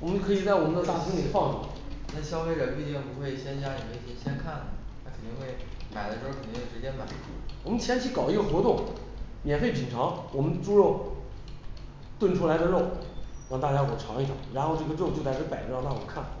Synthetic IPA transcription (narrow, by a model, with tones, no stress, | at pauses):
wɔ˨˩mə˦n˥˧kʰɤ˧˥i˨˩t͡sa˥˩ɪwɔ˨˩mə˦nd̪ə˧t̪a˥˩fʰi˥ŋli˨˩fɑ˥˧ŋʈ͡ʂṵ˨˧˩ | nʰa˥˩ɕjɑ˥ʊfe˧˥ɪɻə˧˥npi˥˩t͡ɕ̪i˥˩ŋ˩pu˧˥xwe˥˩ɪɕjɛ˥nɕ̬ja˥ə˨˩me˧˥ɪt̪ʰi˧˥ɕjɛ˥nkʰa˥˩n˩t̪ʰa˥kʰə˨˩nt̪i˥˧ŋxwe˥˩ɪma˨˩ɪd̪ə˦ʂɻ̩˧˥o˥˧kʰə˨˩nt̪i˥we˥˩ɻt͡ɕjɛ˥nma˨˩ɪ | wɔ˨˩mə̃˦nt͡ɕʰjɛ˥nt͡ɕʰi˧˥kɑ˨˩ʊi˧˥ɡə˧xwɔ˧˥t̪ʊ˥˩ŋmjɛ˨˩nfe˥˩ɪpi˨˩ŋʈ͡ʂʰɑ˧˥ŋwɔ˨˩mə˦nʈ͡ʂu˥ɻo˥˩ʊ | t̪wə˥˩nʈ͡ʂʰu˥la˧˥ɪd̪ə˧ɻo˥˩ʊɻɑ˥˧ŋt̪a˥˩t͡ɕja˥o˥˩xə˨˩ʈ͡ʂʰɑ˧˥ŋi˥˩ʈ͡ʂʰʊ̰˨˩˦ŋɻa˧˥nxo˥˧ʊʈ͡ʂɤ˥˩ɡə˧ɻo˥˩ʊt͡ɕo˥˧ʊt̪a˥˩ɪʈ͡ʂ̩ə˥pa˨˩˥na˥˩wɔ˨˩kʰa˥˩n